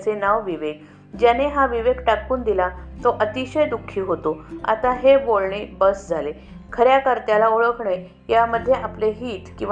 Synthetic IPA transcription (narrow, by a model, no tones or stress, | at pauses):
t͡senaʋʋiʋeɡ̚ | d͡ʑjaneɦaʋiʋeɡʈakuːnd̪ilat̪oʔət̪iɕəjd̪ukʰːiːɦot̪oa̰t̪aɦebolɳiːbəsd͡zʱale | kʰəɾjakəɾt̪jalaoɭəkʰɳəj | jaməd̪ʱːjeʔapleɦiːt̪kĩw̃